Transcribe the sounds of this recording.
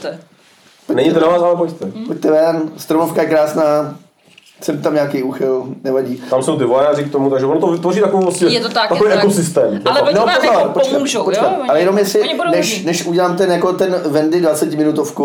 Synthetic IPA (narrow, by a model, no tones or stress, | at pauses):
ɛ | ponɛɲit̪ɛnavaːsalɛpoct̪ɛpoct̪ɛvɛnst̪ɾonofkajɛkɾaːsnaː | sɛmt̪amɲaːkejuːxɪlnɛvaɟiːt̪amso̞wt̪̬ɪvojaːrɪkt̪omut̪aɡʒɛvonot̪ovɪt̪voriːt̪akovolasɛjɛt̪ot̪at̪akoeʔɛkosɪst̪ɛːmlnopokapot͡ʃkaʒopot͡ʃkaalɛjɛnomjɛsɪnɛʃnɛʃuɟɛlaːmt̪ɛnjako̞t̪ɛnvɛndɪdvat͡sɛcɪmɪnut̪ofku